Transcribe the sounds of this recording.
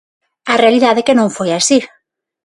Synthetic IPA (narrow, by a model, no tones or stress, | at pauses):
arealiðaðekenõɱfojasi